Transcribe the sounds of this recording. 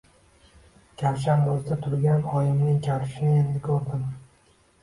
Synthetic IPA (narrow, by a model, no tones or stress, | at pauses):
kʲʰaɾʃ̬ambʊzd̪at̪ʰʊɾɡʲanɒjɪmnɪŋkʲʰaɾʃɪnend̪ɪkʲʰoɾd̪ɪm